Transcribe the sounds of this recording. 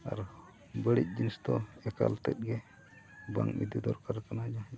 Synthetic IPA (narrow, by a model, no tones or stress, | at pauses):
a̰ɾ | bəɽic̪̚ˀd͡ʒinist̪ɔɛka̰lt̪ɛt̪̚ɡɛ | ba̰ŋbḭd̪id̪ɔɾkaɾkanad͡ʒa